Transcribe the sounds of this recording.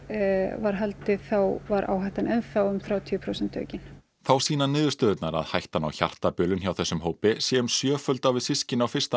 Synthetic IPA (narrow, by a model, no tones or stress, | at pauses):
vaɾ̥ɦalt̪ɪθawvaɾʔa̰ːwɦajht̪anʔɛnfawʏmθɾawt̪ʰipʰɾowsɛnt̪ʰːœ̰ːcɪn | θawsiːnanɪːðʏ̥ɾst̪œːðʏt̪naɾa̰ðhajht̪ana̰wça̰r̥t̪apjœːlʏnçjawθɛsːʏmɦoːwpɪsjɛʏmsjœːfœlt̪awvɪðsɪscɪnawfɪr̥st̪a